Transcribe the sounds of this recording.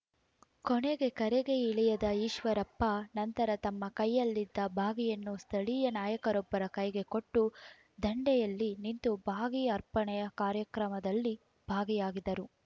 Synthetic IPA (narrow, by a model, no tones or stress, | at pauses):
koɳeɡe̞kɐɾeɡe̞iɭijɐd̪ɐiːʃʋɐɾɐpːɐnɐnt̪ɐɾɐt̪ɐmːɐkɐjːɐlːid̪ːɐbʱaːɡijɐnːust̪ʰɐɭijɐnaːjɐkɐɾɔbːɐɾɐkɐjɡe̞koʈːu | d̪ɐɳɖɛjɐlːinint̪ubʱaːɡijɐɐɾpɐɳɛjɐkaːɾjɐkɾɐmɐd̪ɐlːi | b̥ʱaːɡijaːɡid̪ɐɾu